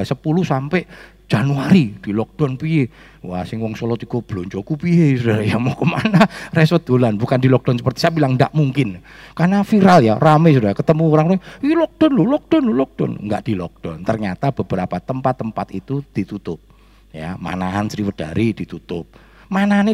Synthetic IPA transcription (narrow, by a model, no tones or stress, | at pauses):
səpuluhsampɛʔ | d͡ʒ̥anuaɾid̥ilɔk̚d̥ɔnpie | wasɪŋwɔŋsolɔt̪ikɔb̥loɲt͡ʃokupiesud̥aɾajamɔkəmanaresɔd̪̥olanbukandilɔk̚d̥ɔnsəpərt̪i̥saabilaŋnda̰ʔmuŋkɪn | karnafiɾaljaramɛs̬udaɾakət̪əmuoɾaŋeilɔk̚d̥ɔnlolɔk̚d̥ɔnlolɔk̚d̥ɔ̰n̰ŋɡa̰ʔd̥ilɔ̰k̚d̥ɔnt̪ərɲat̪ab̥əb̥əɾapat̪əmpat̪ːəmpat̪it̪ud̥it̪ut̪ʊp̚ | ja̰ma̰naɦansɾiwəd̥aɾid̥it̪ut̪ʊp̚ | manaɦane